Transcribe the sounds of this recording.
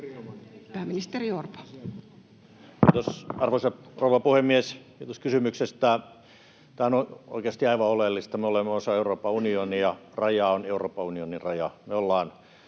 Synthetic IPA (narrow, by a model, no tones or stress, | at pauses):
pæːmːinist̪eriorpɑ̥ | kiːt̪osɑrʋoisɑrouʋɑpuhemːieskiːt̪oskysymyksest̪æː | t̪æːonoo̰ˑikeɑst̪iɑiʋɑolelːist̪ɑmeolemːeosɑeuroːpːɑunionijɑ | rɑjɑoneuroːpːɑunionirɑjɑmeolːɑːn